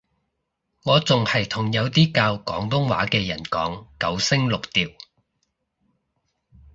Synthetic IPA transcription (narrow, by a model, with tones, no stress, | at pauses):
ŋɔː˨˧t͡sʊ˨ŋhɐ˨jt̪ʰʊ˨˩ŋjɐ˨˧wt̪iː˥kaː˧wkɔ̰ː˨˥ŋt̪ʊ˥ŋwa̰ː˨˥kɛː˧jɐ̰˨˩nkɔː˨˥ŋkɐ˨˥wsɪ˥ŋlʊ˨k̚t̪iː˨˩w